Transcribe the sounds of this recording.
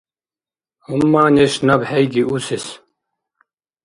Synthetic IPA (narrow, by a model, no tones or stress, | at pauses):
umːaːneɕnɐbhejɡiusis